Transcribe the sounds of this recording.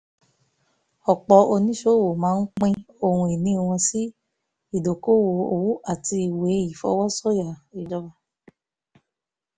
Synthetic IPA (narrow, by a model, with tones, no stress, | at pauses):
ɔ˨k͡pɔ˨˦o˧nĩ˦ʃo˦˨wo˨mãː˨˦n̩˦k͡pĩ˦ | o˧hũ˧i˨nĩ˨˦˧w̃ɔ̃˧si˦ | i˦˨do˨ko˦˨wo˨o˦˨wu˦ʔa˦˨ti˧i˨we˨˦i˨fɔ̰˧˦wɔ˦sɔ˦ja˨i˨d͡ʒɔ˧ba˧